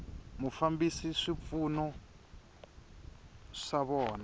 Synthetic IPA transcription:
mufambisiʂip̪funɔ | ʂaβɔːna

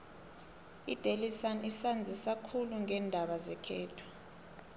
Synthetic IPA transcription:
ḭd̥ʱelisanisand͡zʱisakʰuluŋɛːndʱaɓazɛkʰɛːtʰɔ̥

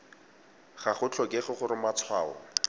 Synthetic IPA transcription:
χaχʊt͡ɬʰɔkeχʊχʊɾɪmat͡sʰwaːɔ̰

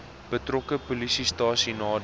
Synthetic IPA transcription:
b̥ətrɔkəpulisistɑːsinɑːd

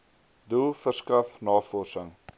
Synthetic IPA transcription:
dulˠfərskɐfnɑːfɔrsəŋ

